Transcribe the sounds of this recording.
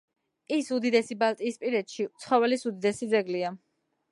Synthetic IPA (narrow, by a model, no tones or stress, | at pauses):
isud̪id̪ɛsibalˠt̪ʼiːspʼiɾɛt̪ʃit̪sʰχɔvɛlisud̪id̪ɛsid̪zɛɡlia